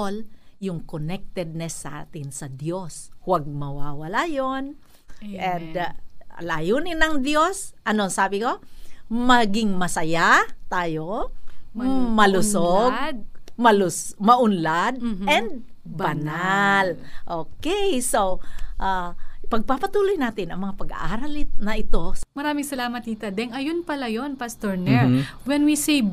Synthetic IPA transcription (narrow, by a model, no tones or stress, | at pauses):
ljʊŋkonɛk̚t̪ɛd̪̚nɛsːɐʔa̰ːt̪ɪnsɐd̪joshwaɡ̚mɐwawɐlajon | ʔɛnd̪lajunɪnɐŋd̪jo̞sʔɐnoŋsaːbɪko̞mɐɡɪŋmɐsɐjat̪aːjo | mɐlʊsoɡmɐlʊsmɐʔʊnlad̪̚ɛnd̪̚ | bɐnalʔoːkɛjsowʔapɐɡ̚papɐt̪uːlojnaːt̪ɪnɐŋmɐŋapɐɡa̰ʔaːɾɐlɪnɐʔɪt̪o̞mɐɾaːmɪŋsɐlaːmɐt̪̚ːiːt̪ɐd̪ɛŋɐjonpɐlajonpast̪oɹnɛɹwɛnwise